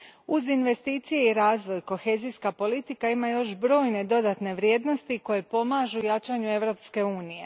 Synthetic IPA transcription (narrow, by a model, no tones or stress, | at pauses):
uzinʋe̞st̪iːt̪sije̞iɾaːzʋo̞jko̞xeːziskapo̞lit̪ikaimajo̞ʃbɾo̞ːjne̞d̪o̞d̪at̪ne̞ʋɾjeːd̪no̞st̪iko̞je̞po̞maʒujat͡ʃaɲue̞ʋɾo̞pske̞uːnije̞